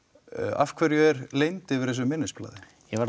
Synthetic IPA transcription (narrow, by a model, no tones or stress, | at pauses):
a̰fkʰvɛɾjʏɛɾlejnt̪ɪvɪɾ̥θɛs̬ʏmɪnːɪspla̰ːðɪ | jɛvaɾ